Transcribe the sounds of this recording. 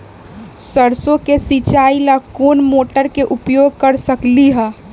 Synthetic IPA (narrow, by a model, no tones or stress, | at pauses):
səɾsõkesit͡ʃaːilakoːnmoːʈəɾkeʔʊpjoːɡ̚kɐɾsɐkliɦɛː